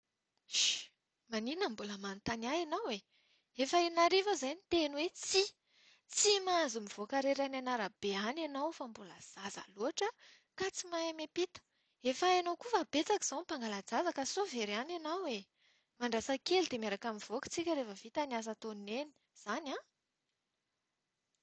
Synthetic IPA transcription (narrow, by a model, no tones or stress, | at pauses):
maninəmbuləmant̪anaanawe | efaenaɾevazajnit̪enuwet͡si | t͡simazumiv̥oakaɾeɾananaɾab̥eananawfambuləz̥aza̰loaʈ͡ʂə | kat͡simaemepit̪ə̥ | efaanowkufabet͡saki̥z̥awmpaŋɡalad͡zazakasoveɾananawe | maɳɖ͡ʐasakelid̪emeɾakamiv̥oki̥t͡sikʲəɾefəvit̪anias̬at̪oneni̥ | z̥ana